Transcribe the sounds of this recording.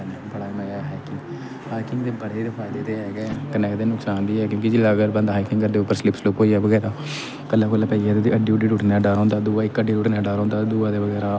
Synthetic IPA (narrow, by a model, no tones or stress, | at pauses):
nː | bəɽaːməɡɛːɦaːjkɪŋɡ | haːjkɪŋɡd̪eːbəɽeːɾɪpʰaːd̪eːt̪eːɛːɡɛkənɛːkd̪eːnʊksaːnd̪iːɛːkjõːkid͡ʒilaːɡəːɾbənd̪ɦaːjkɪŋɡəɾd̪eːʊpːəɾslɪpsloːkoːiːɛːʋəɡɛːɾaː | kəlːaːkəlːaːpəiaːd̪eːd̪iəɖiːʊɖiːʈuːʈnaːɖaːɾɦõːnd̪aːd̪uːaːɪkːəɖiːʈuʈneːɖaːɾɦõːnd̪aːd̪uːaːd̪eːʋəɡɛːɾaː